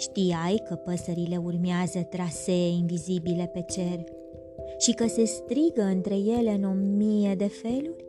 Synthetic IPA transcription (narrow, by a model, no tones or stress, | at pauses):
ʃt̪iajkəpəsəɾile̞urmeazət̪ɾase̞invizibile̞pe̞t͡ʃe̞r | ʃikəse̞st̪ɾiɡəɨnt̪ɾe̞je̞le̞ɨno̞mijed̪e̞fe̞lurʲ